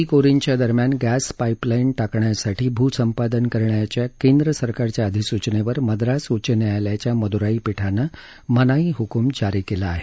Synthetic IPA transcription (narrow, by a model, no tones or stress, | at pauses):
iːkoɾint͡ɕjad̪əɾmjanɡæspaiplainʈakɳjasaʈʰiːbʱuːsəmpad̪ənkəɾɳjat͡ɕjakend̪ɾəsəɾkaɾt͡ɕjaəd̪ʱisut͡ɕneʋəɾməd̪ɾasut͡ɕənjajljat͡ɕjaməd̪uɾaiːpiʈʰana | mənaiːɦukumd͡ʑaɾiːkelaːɦe